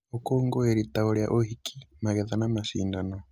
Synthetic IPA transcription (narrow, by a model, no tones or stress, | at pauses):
okoːŋɡoeɾitaoɾja̰ʔohikʰimaɣeðanamaʃiːndano